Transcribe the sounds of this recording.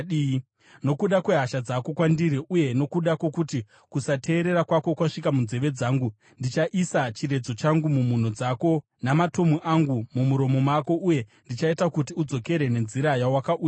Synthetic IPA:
no̞kuɗakwe̞ɦaʃad͡zako̞kwandiɾiʔuje̞no̞kuɗako̞kuti | kusatʰe̞ːɾe̞ɾakwako̞kwaʂikamunze̞ʋe̞d͡zaːŋɡu | ndit͡ʃaʔisat͡ʃiɾe̞d͡zo̞t͡ʃaŋɡumumun̤od͡zako̞ | namato̞muʔaŋɡumumuɾo̞mo̞mako̞ʔuje̞ndit͡ʃaitakutiud͡zo̞ke̞ɾe̞ne̞nziɾajawakauːa

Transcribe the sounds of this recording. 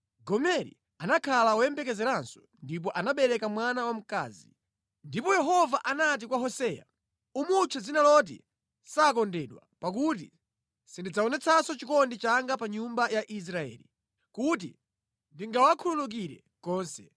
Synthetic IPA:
ɡɔmɛɾḭ | anakʰalaɔjɛmbɛkɛzɛɾansɔ̥ | ndip̬ɔʔanaɓɛɾɛkamwanawam̩ka̰ːzi | ndipɔjɛɦɔvaʔanat̬ikwaɦɔsɛːja̰ | umut͡ʃʰɛzinalɔt̬ḭ | sakɔndɛːɗwa̰pak̬ut̬i | sindid͡zaɔnɛt͡sʰasɔt͡ʃikɔndit͡ʃaŋɡapaɲumbajaʔis̬ɾaɛ̰ːli | kut̬ḭ | ndiŋɡawakʰululuk̬iɾɛ̰ | kɔːnsɛ̰

